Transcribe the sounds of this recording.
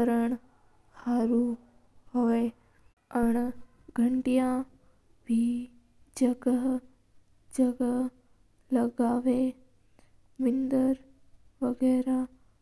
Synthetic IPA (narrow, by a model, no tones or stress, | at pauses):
əɾəɳ | haːɾu | hoːe | əɳ | ɡʱəɳʈijã | bʱi | d͡ʒəɡə | d͡ʒəɡə | ləɡaːʋe | mɪnd̪əɾ | ʋəɡɛɾa